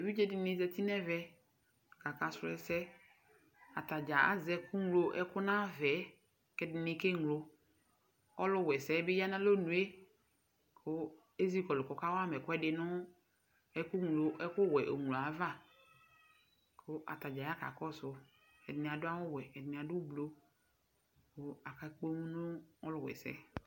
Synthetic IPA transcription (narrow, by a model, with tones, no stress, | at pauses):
wi˦d͡ʒɛ˦dɪ˨nɪ̃˦zɛ˨ti˦nɛ˦vɛ˦˨ | ka˨ka˨sʊ˦ɛ˨sɛ˦ | a̰˨ta˨d͡ʒa˨a̰˦zɛ˦kʰʊ˦ŋu˦lo˦ʔɛ̰˦kʊ˦nã˦vɛ˨˦ | kɛ˦dɪ˨nɪ̃˦ke˦ŋ˨lo˨ | ɔ˦lʊ˦˨wɛ˨sɛ˨˦bɪ˦ja˦nã˦lo˦nũ˨e˦ | kʰʊ˦ | e˦zi˦kɔ˨lʊ˨kɔ˨ka˦wa˦˨mɛ˨kʊ˦ɛ˦dɪ˨nʊ˦ | ɛ˦kʊ˦ŋ˨lo˨ʔɛ˦kʊ˦wɛ˨ʔo̰˨ŋ˨o˨a˨˦va˦˨ | kʰʊ˦ʔa̰˨ta˨d͡ʒa˨ja˦ka̰˨kɔ˦sʊ˨ | ɛ̰˨dɪ˨nɪ̃˨a˨dʊ˦a˦wʊ˦wɛ˨ɛ˨dɪ˨n˨a˨dʊ˦blo˦ | kʊ˦a˨ka˨˦ko˦ŋũ˦nʊ̃˦ɔ˦lʊ˨wɛ̰˨sɛ̰˦